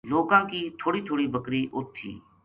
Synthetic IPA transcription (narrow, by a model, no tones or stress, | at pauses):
loːkãːkiːt̪ʰoːɽiːt̪ʰoːɽiːbəkɾiːʔʊt̪ʰːḭː